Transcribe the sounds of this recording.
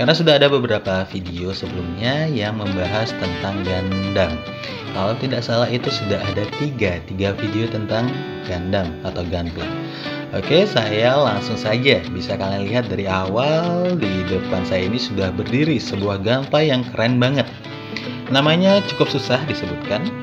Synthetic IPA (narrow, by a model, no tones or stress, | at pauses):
karnasudaɦadabəbəɾapafideosəbəlumɲajaŋməmbaɦast̪ənt̪aŋɡandaŋ | kalawt̪indaksalaɦit̪usudaɦadat̪iɡat̪iɡafideot̪ənt̪aŋ | ɡ̥andamat̪awɡanpla̰ | o̰kesajalaŋsʊŋsad͡ʒabisakalaŋliɦat̪̚daɾiawaldidəpansajainisudahbərdiɾisəbuahɡampajaŋkəɾɛnbaŋət̪̚ | namaɲat͡ʃukʊp̚susahdisəbut̪̚kan